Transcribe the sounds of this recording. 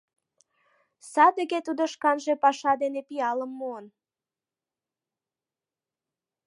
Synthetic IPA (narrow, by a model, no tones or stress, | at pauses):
sɑd̪əɣet̪ud̪oʃkɑnʒepɑʃɑd̪enepiɑləmːoən